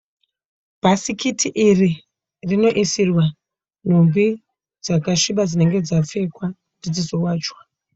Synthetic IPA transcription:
b̥ʱasikʰitʰiʔiri | rino̞ʔisirwa | n̤ombi | d͡zakaʃiɓad͡zine̞ŋɡe̞d͡zafe̞kwa | ndid͡zizo̞waːt͡ʃwḁ

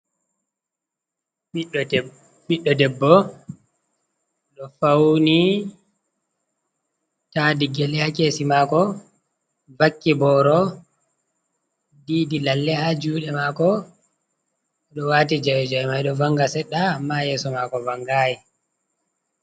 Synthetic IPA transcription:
ɓiɗːɔdɛbːɔ | ɗɔfawni | tadiɡɛlɛhakeːsimaːkɔ | vakːibɔːɾɔ | diːdilalːɛhad͡ʒuːɗɛmaːkɔ | ɗɔwaːtid͡ʒawd͡ʒajmajɗɔvaŋɡasɛɗːaːmːajɛːsɔmakɔvaŋɡaːji

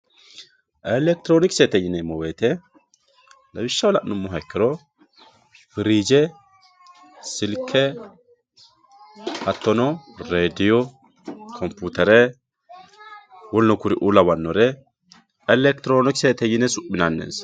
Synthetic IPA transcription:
ʔɛlɛk̚t̪ɪɾoːnɪksɛt̪ɛjɪnɛmɔweːt̪ɛ | lɐwɪʃːɐwɔlɐʔnʊmːɔɦɐkːɪɾɔ | fɪɾiːd͡ʒɛ | sɪlkʰːɛ | hɐt̪ːɔnɔɾeːd̪ɪjɔ | kʰɔmpːuːt̪ɛɾɛ | wɔlnɔkʊɾɪʔuːlɐwɐnːɔɾɛ | ɛlɛkt̪ɪɾoːnɪksɛt̪ɛjɪnɛsʊʔːɪnanːḛːns

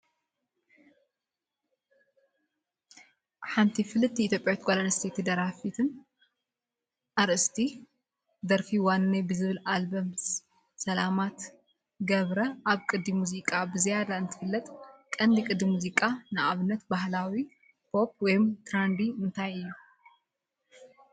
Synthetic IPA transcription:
ħant̪ʰifɨlɨt̪ʰːiːt̪ʰʲjo̞pʼjawit̪kʷʰʼolanɐst̪ʰet̪ʰid̪ɐɾafit̪ʰɨn | ʔaɾʔɨst̪ʰi | d̪ɐɾfiwanːebɨzɨβɨlalbɐms | sɐlamat̪ | ɡɐβɾɐʔaβkʼɨd̪ːimuzikʼabɨzijad̪aɨnt̪ʰɨ̥fɨlːɐt̪ʼkʼɐnd̪ikʼɨd̪imuzikʼanɨʔaβɨnːɐt̪bahlawi | pʰo̞p̚ʰwɔjmt̪ʰɾand̪iɨnt̪ʰajɨjːu

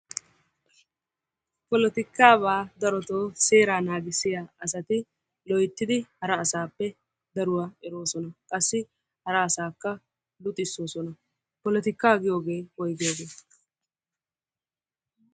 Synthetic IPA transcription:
pɔlɛt̪ɪkːaːβaːd̪ɐɾɔt̪o̞ːse̞ːɾaːnaːɡɪsːɪjaːɐs̬ɐt̪ɪ | lɔjt̪ːɪd̪ɪhɐɾɐːsaːpːɛ | d̪ɐɾʊwaːɛɾo̞ːsɔnɐkʼɐsːɪ | hɐɾɐːsaːkːɐ | lʊt̪ʼɪsːo̞ːsɔnɐ | pɔlɛt̪ɪkːaːɡɪjo̞ːɡe̞ːhɔjɡɪjoːɡe̞ː

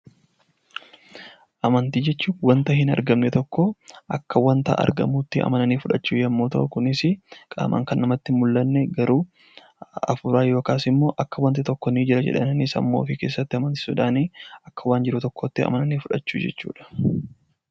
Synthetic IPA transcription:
ʔɐmɐnt̪iːd͡ʒɛt͡ʃːuːwɐnt̪ɐhɪnɐ̰ɾɡɐmnɛt̪ɔkːɔʔɐkːɐwɐnt̪ɐ̰ʔɐ̰ɾɡɐ̰muːt̪ːɪɐ̰mɐnɐniːfʊᶑɐt͡ʃːuːjɐmːuːt̪ɐ̰ʔʊkʊnɪsɪkʼa̰ːmʔɐ̰ŋkɐnːɐmɐt̪ːɪmʊlːɐnːɛɡɐɾuː | ɐ̰fʊɾaːjo̞ːkaːsɪmːo̞ːʔɐkːɐwɐnt̪ɪt̪ɔkːɔniːd͡ʒɪɾɐd͡ʒɛ̰ᶑɐnnɪsɐ̰mːo̞ːfiːke̞ːsːɐt̪ːɪɐmɐnt̪ɪ̥sʊᶑaːniːɐkːɐwaːnd͡ʒɪɾʊt̪ɔkːoːt̪ːɪɐ̰mɐnɐniːfʊᶑɐt͡ʃːṵːd͡ʒɛ̰t͡ʃːṵːᶑɐ̥

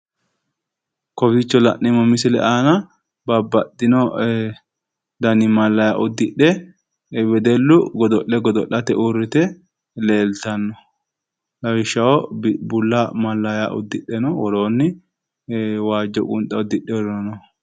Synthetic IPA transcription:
kɔfɪt͡ʃːɔlɐ̰ʔːɛmɐmɪsɪlɛ̰ʔaːnɐ | bɐbːɐd̪ːɪnɔ | d̪ɐnɪmɐlːɐja̰ʔʊd̪ɪɗːɛ | wɛd̪ɛlːʊɡɔd̪ɔʔːɛɡɔd̪ɔʔɐt̪ɛʔurːɪt̪ɛ | leːlt̪ɐnːɔ | lɐwɪʃːɐɔbbʊlːɐmɐlːɐjaʔʊ̰d̪ɪɗːɛnɔwɔɾoːnːɪ | waːd͡ʒːɔkʼʊnt̪ʼɐɔd̪ɪɗːɛwɔɾɔnɐnɔ

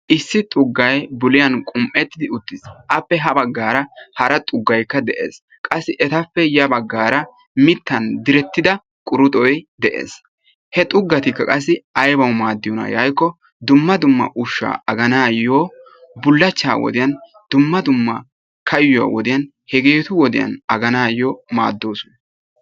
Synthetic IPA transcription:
ʔɪsːɪt̪ʼʊɡːɐjbʊlɪjɐnkʼʊmpʼɛt̪ːɪd̪ɪʊt̪ːɪsʔɐpːɛɦɐbɐɡːaːɾɐhɐɾɐt̪ʼʊɡːɐjkːɐd̪ɛʔḛːs | kʼɐsːɪʔɛt̪ɐpːɛjɐbɐɡːaːɾɐ | mɪt̪ːɐnd̪ɪɾɛt̪ːɪd̪ɐ | kʼʊɾʊt̪ʼɔjd̪ɛʔḛːs | hɛt̪ʼʊɡːɐt̪ɪkːɐkʼɐs̬ːɪɐjbɐwmaːd̪ːɪjɔnɐ̰jɐjkːɔ | d̪ʊmːɐd̪ʊmːɐ̰ʔʊʃːa̰ːɐɡɐnaːjːoː | bʊlːɐt͡ʃːa̰ːwɔ̰d̪ɪjɐn | d̪̥ʊmːɐd̪ʊmːɐ | kʰɐjʊwa̰ːwɔd̪ɪjɐn | hɛɡeːt̪ʊwɔd̪ɪjɐ̰nɐɡɐnaːjoːma̰ːd̪ːo̞ːsʊnɐ

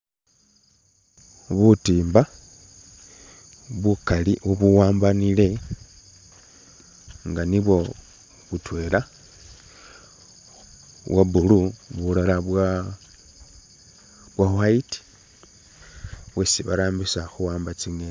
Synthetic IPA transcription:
βutiːmba | βukaliʔuβuwaːmbanile̞ | ŋɡaniβwo̞ | βutwe̞la | βwʔabuluβulalaβa | βwahwaiti̥ | βwesiβa̰ɾaːmbisaxuwaːmbat͡siŋe

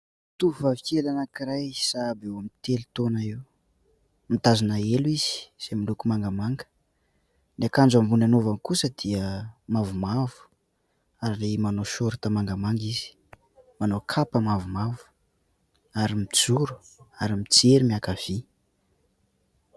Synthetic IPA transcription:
t̪uuvavikelanakiɾajsabewamint̪elit̪onəiw | mit̪azanaeliz̥i̥z̥emilukumaŋɡamaŋɡə̥ | nakand͡ʒambunanovankusəd̪̥iəmavumavu̥ | aɾilemanoʃoɾit̪əmaŋɡamaŋɡizi̥ | manokʰapəmavumavu̥ | aɾimid͡zuɾu̥ | aɾimit͡seɾimiakav̥i

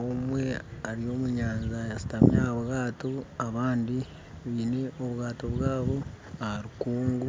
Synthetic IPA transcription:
omwe̞aɾijo̞muɲaːnzajasi̥tamijaaβɣaːtoaβaːndi | βiːne̞ʔoβɣaːtoβwaːβo | aaɾikuːŋɡu

